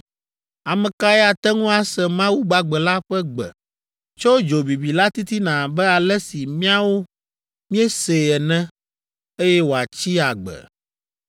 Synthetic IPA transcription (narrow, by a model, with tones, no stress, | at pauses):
a˨mɛ̃˨ka˦ɛ˦a˨t̪ɛ˦ŋũ˦a˨sɛ˨mã˦wu˦ɡ͡ba˦ɡ͡bɛ˨la˦ɸɛ˦ɡ͡bɛ̰˨ | t͡ʃo˦d͡ʒo˨bi˨bi˨la˦t̪i˦t̪i˦nã˨bɛ˦a˨lɛ˦si˨mĩ˦a˦wo˦ | mĩ˦ɛ˦se˨ɛ˨nɛ̃˦ | e˦jɛ˦wo˨a˨t͡ɕi˦a˨ɡ͡bɛ̰˨